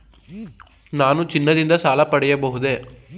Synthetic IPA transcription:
naːnut͡ʃinːɐd̪ind̪ɐsaːlɐpɐɽɛjɐbɐɦud̪e̞

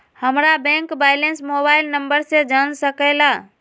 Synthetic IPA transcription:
həmɾabɛ̃ŋkbajlensmobaɪlnəmbəɾsẽd͡ʒansəkəjla

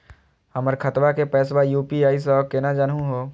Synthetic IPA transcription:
hɐməɾkʰɐt̪ʋakepɛːs̬wajuːpiaːis̬ɔːkɪnad͡ʒanɦũɦoː

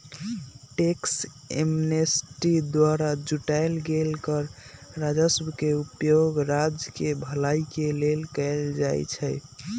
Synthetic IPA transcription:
ʈeks | ḛmnesʈid̪waɾad͡ʒuʈaɪlɡelkəɾɾad͡ʒəsbkeupjoɡɾad͡ʒkebʱəlajkelelkəɪld͡ʒajt͡ʃʰəj

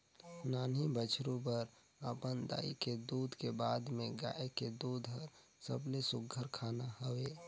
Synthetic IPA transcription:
naːnibət͡ʃʰɾũpəɾ | əpənd̪a̰ːḭked̪uːd̪ʱkebaːd̪mẽɡa̰ːeked̪uːd̪ʱɦəɾ | sə̰blesʊɡʱəɾkʰaːnahəweː

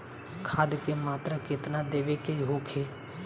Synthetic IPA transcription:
kʰaːd̪kemaːt̪ɾəkɪt̪naːd̪eːʋeːkeɦoːkʰeː

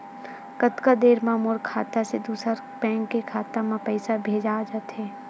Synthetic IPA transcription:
kət̪kad̪eːɾmãmoːɾkʰaːt̪ased̪uːsəɾ | pɛ̃ːŋkːekʰaːt̪amãpɛɪsabʱeːd͡ʒaːd͡ʒat̪ɦɛː

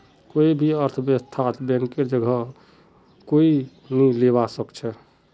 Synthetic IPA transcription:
koibʱiəɾt̪ʰəbəst̪ʰat̪ʰbɛ̃ŋkeɾd͡ʒəɡʱə | koi | nileβasəkt͡ʃʰɛ

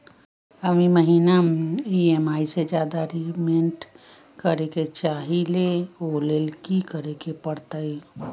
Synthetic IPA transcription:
əmiməɦiːnamiemaised͡ʒjaːd̪aɾimeɳʈ | kəɾeket͡ʃaːɦileolelkikəɾekepəɽt̪əi

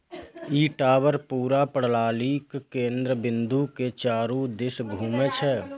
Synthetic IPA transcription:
iːʈaːwəɾpuːɾapəɽ̤laːliːkkẽːnd̪ɾəbɪ̃nd̪uket͡ʃaːɾud̪ɪsɡʱuːmet͡ʃʰɛː

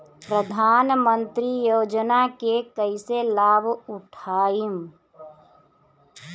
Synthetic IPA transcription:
pɾəd̪ʱaːnmə̃nt̪ɾijoːd͡ʒnakekəɪselaːbʱʊʈʰaːim

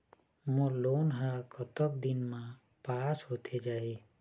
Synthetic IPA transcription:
moloːnɦakɔt̪ɔk̚d̪ɪnmã | paːsɦoːt̪ʰed͡ʒaːɦi

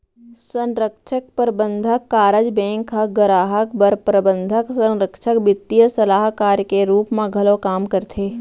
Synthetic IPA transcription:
sə̃nɾəkʃʰək̚pəɾbə̃nd̪ʱəkːaːɾəd͡ʒbɛ̃ːŋkɦəɡəɾaːɦəkbəɾpɾəbə̃nd̪ʱəksə̃nɾəkʃəkbɪt̪ːijəsəlaːɦkaːɾjkeɾuːpmẽɡʱɐlokaːmkəɾt̪ʰeː

